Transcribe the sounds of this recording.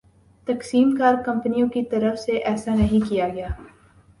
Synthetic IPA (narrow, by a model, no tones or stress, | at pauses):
t̪ɐksiːmkaːɾkɐ̃mpnijõkit̪ɐɾəfseʔɛːsanɐɦĩkijaɡɐjaː